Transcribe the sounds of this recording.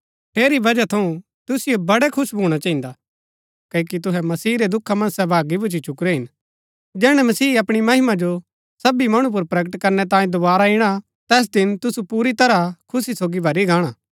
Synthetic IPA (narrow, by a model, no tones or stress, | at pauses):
ʈʰeːɾibɐd͡ʒat̪ʰɐũ | t̪ʊsɪjobɐɽɛkʰʊʃbʱuːɽ̃at͡ʃaɦĩnd̪a | kɐkit̪̬ʊɦɛmɐsiːɾed̪ʊkʰːamɐ̃nsɛbʱaːɡibʊt͡ʃit͡ʃʊkɾɛɦɪn | d͡ʒɛːɽ̃ɛmɐsiːɐpɽ̃imɐɦɪmad͡ʒo | sɐbimɐɽ̃ũp̬ʊɾpɾɐɡəʈkɐɾnɛt̪̬ãːĩd̪ʊbaːɾaɪɽ̃a | t̪ɛːs̬d̪ɪnt̪ʊsupuːɾit̪ɐɾakʰʊsisoːɡibʱɐɾiɡʱaːɽ̃aː